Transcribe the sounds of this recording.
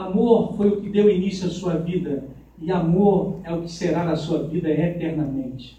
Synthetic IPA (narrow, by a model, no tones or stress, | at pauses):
amoɾfojʊkɪd̪ewinisjuɐsuɐvid̪ɐ | iamoɾɛʊkɪ̥seɾaɾɐsuɐvid̪ɐet̪ɛɾnɐmẽnt͡ʃɪ̥